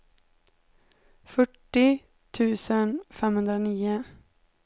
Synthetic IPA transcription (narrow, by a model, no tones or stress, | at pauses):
fœʈːɪ | t̪ʰʉ̟ːsənfɛmhɵnd̪ɾaniːʊ